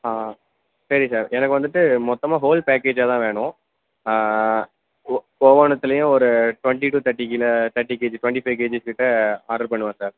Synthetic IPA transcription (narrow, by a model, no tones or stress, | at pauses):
aː | sɐɾisaːɾɛnɐkːɯʋɐnd̪ɯʈːɯmɔt̪ːɐmaːɦoːlpeːkeːd͡ʒaːt̪ãːʋeːɳʊ̃ | poːʋɐːɳɐt̪ːɯɪlɐjʊ̃ɔɾɯʈʋɐɳʈiʈuːt̪ɐʈːikɪlɐt̪ɐʈːikeːd͡ʒʈʊʋɛɳʈifɐɪʋk̬eːd͡ʒɪskɪʈːɯaːɾɐɾpɐɳːɯʋãːsaːɾ